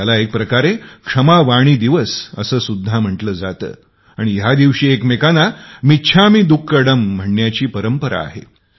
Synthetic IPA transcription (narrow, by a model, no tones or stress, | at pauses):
alaek̚pɾəkaɾekʂəmaʋaɽ̃iːd̪iʋəsə̰səːsud̪ʱːam̤əʈləːd͡za̰t̪ə̰ː | aɽ̃iɦjad̪iʋɕiːekmekanamitːɕʰamiːd̪ukːəɽəm̤ːəɳːjat͡ɕiːpəɾəmpəɾa̰ːɦḛ